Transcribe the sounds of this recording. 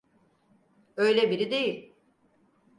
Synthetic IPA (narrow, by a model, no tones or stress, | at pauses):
ø̞jlʲebiɾid̪e̞jilʲ